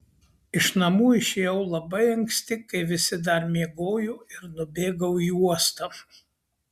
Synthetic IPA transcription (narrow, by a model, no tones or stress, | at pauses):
ɪʃnɐmuːɪʃʲeːjɛʊlˠɐbɐɪɐŋʲksʲt̪ʲɪkɐɪʋʲɪsʲɪd̪ɐɾmʲiɛɡoːjuːɪɾnʊbʲeːɡɐʊuɔst̪ɐ